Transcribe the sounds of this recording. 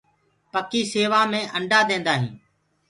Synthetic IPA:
pəkiːseːʋaːmẽːʔəɳɖʱaːd̪ẽːnd̪aːɦḭ̃ː

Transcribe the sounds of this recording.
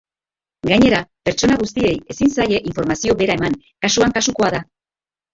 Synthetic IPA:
ɡajɲe̞ɾape̞ɾt͡ʃo̞naɣust̪ie̞je̞sinsaje̞ʔiɱfo̞ɾmasio̞βe̞ɾae̞maŋ | kasuaŋkasuko̞aða

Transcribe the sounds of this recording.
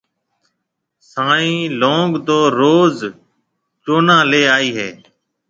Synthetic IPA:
saːĩːlõːŋɡd̪oːɾoːz | t͡ʃoːnãːleːaːiːɦeː

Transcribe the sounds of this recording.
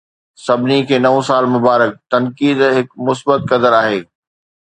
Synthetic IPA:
sɐbʱɪnikʰeːnɐʋõsaːlmʊbaːɾək̚t̪ɐnkiːd̪ɦɪkmʊsbət̪kɐd̪əɾaːɦeː

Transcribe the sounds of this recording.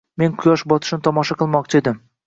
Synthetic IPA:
me̞nqʰʊjɒʃbɒt̪ʰɪ̥ʃnɪt̪ʰɒmɒʃɑqʰɨlˠmɒq̚t͡ʃʰɪed̪ɪm

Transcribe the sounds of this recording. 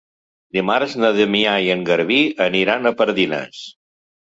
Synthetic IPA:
d̪imaɾznəðəmiajəŋɡəɾβiəniɾanəpəɾðinə̰s

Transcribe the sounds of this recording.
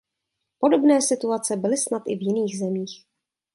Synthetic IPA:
po̞do̞bnɛːsɪt̪uat͡sɛbɪlɪsnat̪ʔɪ̰vjɪniːɣzɛmiːx

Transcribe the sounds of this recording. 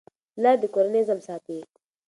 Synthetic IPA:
lad̪əkoɾnezɐmsaːt̪iː

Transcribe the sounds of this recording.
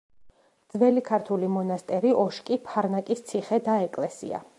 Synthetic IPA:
d̪z̥vɛlikʰaɾt̪ʰulimɔnast̪ʼɛɾiɔʃkʼipʰaɾnakʼist̪sʰiχɛd̪aɛkʼlɛsḭa̰

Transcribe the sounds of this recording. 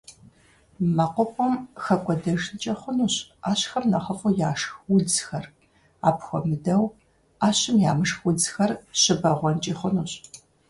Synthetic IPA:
mɐqʷʊqʷʼɔmxɐkʷʼɔdɐʒnt͡ʃʼɐχʷʊnuːɕaːɕxɐmnɐχəfʼujaːʂxwʊd͡zxɐr | a̰ːpxʷɔmɨdɐw | aːɕɪmja̰ːmɨʂxwʊd͡zxɐrɕɪbɐʁʷɔnt͡ʃʼiːχʷʊnuːɕ

